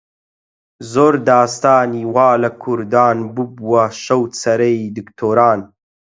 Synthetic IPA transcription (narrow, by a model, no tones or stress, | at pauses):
zoːɾd̪ɑːst̪aːniwɑːlɐkʰuɾd̪aːnbubuwɐʃɐwt̪sɐɾɐid̪ɨkt̪ʰoːɾaːn